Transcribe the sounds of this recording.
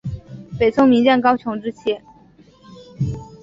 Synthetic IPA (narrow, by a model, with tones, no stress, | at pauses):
pe˨˩ɪt͡sʰʊ˥ŋmi˧˥ŋt͡ɕjɛ˥˩nkɑ˥ʊt͡ɕʰjʊ˧˥ŋʈ͡ʂɻ̩˥t͡ɕʰjɛ˥˩